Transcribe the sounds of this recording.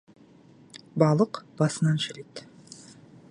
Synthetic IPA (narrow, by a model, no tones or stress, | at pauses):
bɑlˠɤqb̥ɑsə̆nɑnʃæ̆let̪